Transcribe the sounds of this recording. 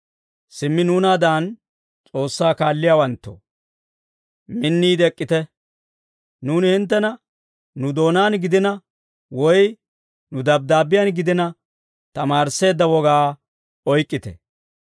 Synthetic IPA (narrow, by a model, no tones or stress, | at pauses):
sɪmːɪnuːnaːd̪aːn | t͡sʼo̞ːsːaːkaːlːɪjaːwɐnt̪ːɔ̰ | mɪnːiːd̪ɛkʼːɪt̪ɛ | nuːnɪhɪnt̪̬ːɛnɐ | nːʊd̪o̞ːnaːnɡɪd̪ɪnɐ | wɔj | nʊd̪ɐb̚d̪aːbɪjɐːnɡɪd̪ɪnɐ | t̪ɐmaːɾse̞ːd̪ːɐwɔɡaː | ɔjkʼːɪt̪ɛ̰